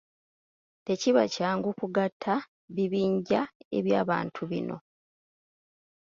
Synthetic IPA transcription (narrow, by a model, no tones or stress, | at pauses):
te̞ciβa̰caːŋɡukuɡatʰːa | βiβiːɲɟae̞̰βjaːβa̰ːntʰuβḭno̞̰